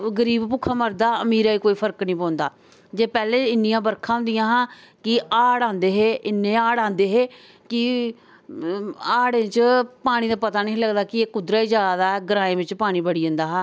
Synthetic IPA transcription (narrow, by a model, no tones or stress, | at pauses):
ɡəɾiːbpʊkʰːaːməɾd̪aːəmiːɾaːiːkoːiːpʰəɾknĩːpɔ̃ːnd̪aː | d͡ʒeːpɛːleːɪnːɪjãːbəɾkʰãːɦʊ̃nd̪ɪjãːɦãː | kɪaːɽãːnd̪eːɦeːɪnːẽːaːɽãːnd̪eːɦeː | kɪ | aːɽẽːt͡ʃpaːɽ̃iːd̪aːpət̪aːnẽːləɡd̪aːkɪeːkʊd̪ɾaːid͡ʒaːd̪aːɡəɾãːẽːbɪt͡ʃpaːɽ̃iːbəɽiːə̃ːnd̪aːɦaː